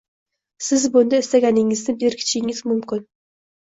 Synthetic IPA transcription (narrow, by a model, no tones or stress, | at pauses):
sɪzbʊnd̪aɪst̪aɡʲanɪŋɪznɪbɪɾkʲʰɪ̥t͡ʃʰɪŋɪz̥mʊmkʲɪn